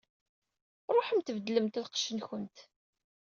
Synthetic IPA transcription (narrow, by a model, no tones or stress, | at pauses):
ɾˤoħəmt̪əvəd̪ləmt̪ælqə̥ʃənçənt̪